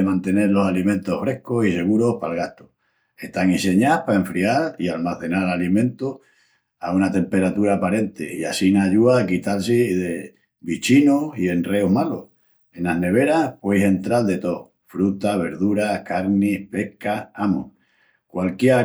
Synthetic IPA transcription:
emãnt̪e̞ne̞ɾlo̞salimẽ̞nt̪ohfɾe̞hkosise̞ɣ̞uɾo̞hpalɣaht̪o | eht̪aŋise̞ɲapae̞ɱfɾiaɾialmaθe̞naɾlalimẽ̞nt̪o | aunat̪e̞mpe̞ɾat̪uɾaːpaɾe̞nt̪e̞ia̰sinaʎuaːkit̪als̬iðe | βit͡ʃinosie̞nre̞oɦmalo̰h | e̞naɦne̞β̞e̞ɾahpwe̞jse̞nt̪ɾald̪e̞t̪o̞ | fɾut̪aβe̞ɾðuɾakaɾnihpe̞hkaamo̰ | kwalkje

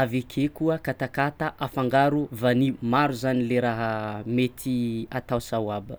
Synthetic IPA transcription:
avekʰekuəkat̪akat̪aʔafaŋɡaɾuvanimaɾuzanileɾaɦəmet̪ʰiat̪awsawabə

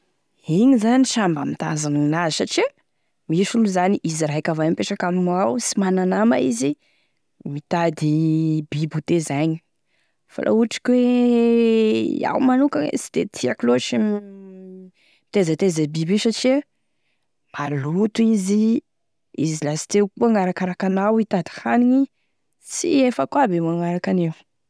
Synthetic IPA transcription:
iɲizaniʃambamit̪a̰zannazisaʈ͡ʂia | misuluzaniʔiziɾajkavanimpeʈ͡ʂakammawsimananama̰izi | mit̪ad̪ibibut̪ezaɲi̥ | fa̰lʔo̰uʈ͡ʂi̥kwe | a̰wmanukaḛsi̥d̪̥et̪ʰiakiloʈ͡ʂim | t̪ezat̪ezabibiʃaʈ͡ʂi | malut̪uizi | izilasi̥t̪ewkuaŋaɾakaɾakanawit̪ad̪i̥haniɲi | sḭefəkwabemaŋaɾakanewu

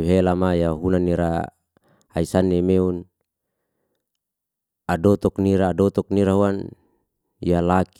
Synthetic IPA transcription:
ɦelamajaɦunanːiɾa̰ | haisanːemeun | adɔt̪ɔkniɾaːdɔt̪ɔk̚niɾaɦuan | jalak

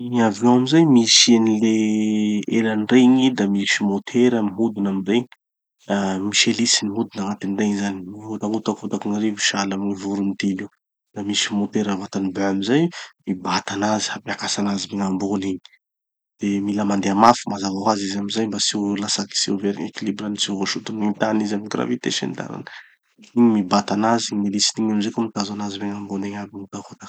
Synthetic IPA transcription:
iaviõamizajmisenile | elanreɲid̪amisimot̪ʰeɾamiɦud̪unamireɲi | amiʃelisiniɦud̪unaŋat̪inreɲzanimiɦut̪aŋut̪akut̪akiniremi̥ʃalamnivuɾunid̪ili | d̪̥amisimot̪eɾavat̪anibeamizajmibat̪anazi̥hapjakasanazimiŋamboniɲi̥ | d̪̥emilamand̪eamafumazavaɦazizamizajmbasiwlasaki̥seveɾḭŋekilibɾanit͡siwɦoʃut̪unint̪anizamiɡra̰vit̪eʃḛnd̪a̰ɾa̰nə | iɲimibat̪anazimelisiniɲamizekomit̪azanazimeŋamboneɲabiŋut̪akot̪ḁk

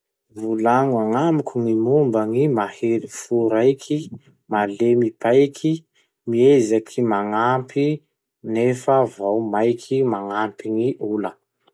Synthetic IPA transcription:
vulaŋuaŋamikuŋimumbəŋimahelifuɾajkʰi | malemipajkʰi | miezakʰimaŋampi | nefəvawmajkʰimaŋampiŋiʔulə

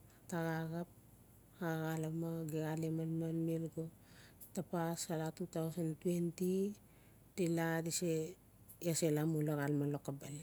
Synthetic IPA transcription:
taɡaɡap̚ | aaɡalamaɡeɡalemanmanmelɡo | tapasalatutawsantwenti | diladise | aselamulaɡalmalokabal

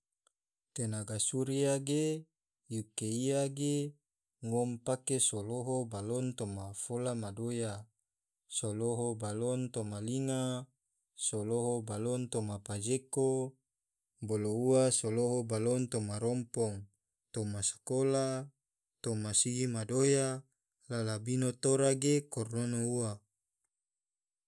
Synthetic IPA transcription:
t̪enaɡasuɾiaɡe | jukeiaɡe | ŋɔmpakesoloɦobalɔnt̪omafolamadoja | soloɦobalɔnt̪omaliŋa | soloɦobalɔnt̪omapad͡ʒeko | bolouasoloɦobalɔnt̪omaɾɔmpɔŋ | t̪omasḁkola | t̪omasiɡimadoja | lalabinot̪oɾaɡekɔrnonoua

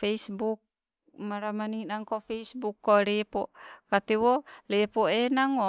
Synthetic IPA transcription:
feisbuk̚ | maɾamaninaŋkofeisbukːolepokat̪ewolepoenaŋo

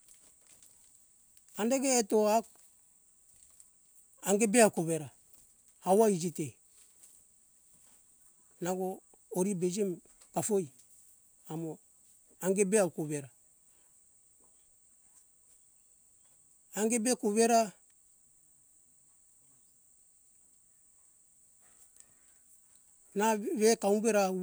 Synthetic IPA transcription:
andeɡeːtoak | aŋɡebeawkoβeɾa | hawaid͡ʒite | naɡoː | ɾibed͡ʒem | kafoj | amo | aŋɡebeawkoβeɾa | ŋɡebekoβeɾa | naβekaumbeɾa

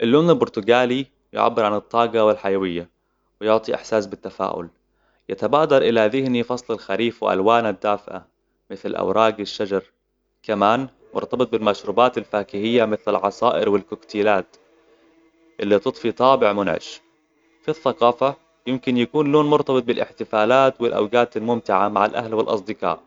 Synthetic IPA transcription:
ʔɪlːʊːmnɪlbʊɾt̪ʊɡaːli | jʊ̰ʕa̰bːɪɾʕanɨt̪ˤːɑːɡɑwɪlħajawɪjːa | wɪjʊʕt̪ˤiʔɪ̰ħsaːsbɪt̪ːafa̰ːʔʊ̰l | jat̪abaːd̪ɑɾˤʔɪlaðɪhnifɑsˤlalxaɾiːfwɪ̰ʔa̰lwaːnad̪ːaːfɪʔa̰ | mɪθlʔa̰wɾˤʔɑːɡɪʃːad͡ʒɑɾˤ | kamaːn | mʊ̰ɾt̪ɑbɨt̪̚ˤbɪlmaʃɾuːbaːt̪alfaːkɪhɪjːamɪθlalʕɑsˤɑːʔɪɾwɪlkʊkt̪iːlaːt̪ | ʔɪlːit̪ɨt̪ˤfit̪ˤɑːbɪʕmʊnʕɪ̰ʃ | fiθːɑqɑːfa | jɪmkɪnjakuːnloːnmʊɾt̪ɑbɨt̪̚ˤbɪlʔɪħt̪ɪfaːlaːt̪wɪlʔa̰wɡaːt̪almʊmt̪ɪʕamaʕalʔa̰hlwɪlʔɑ̰sˤd̪ɪqɑ̰ːʔ

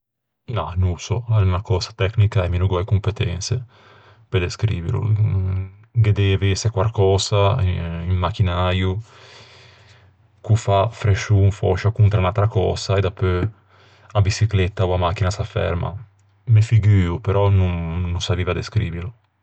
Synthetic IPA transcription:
nanusɔɛnakɔːzḁt̪ɛknikaɛminuɡwajkumpet̪ɛnse | ped̪eskɾḭːvḭɾṵ | ɡed̪ɛvesekwaɾkɔːzaimːak̟inaju | kufafɾeʃunfɔ̰ʃakunt̪ɾaunalt̪ɾakɔ̰ːz̥aed̪apːø | abisiklɛt̪ːauamak̟ːinasafɛ̰ɾma̰ | mefiɡyːupeɾɔnunːunsaviːvad̪eskɾḭviɾu

